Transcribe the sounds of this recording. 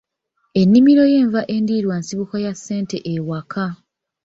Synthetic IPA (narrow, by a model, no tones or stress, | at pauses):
e̞nːimiɾo̞je̞ːɱvaʔe̞ndiːɾwansiβukajasːe̞ːnte̞ʔewakʰa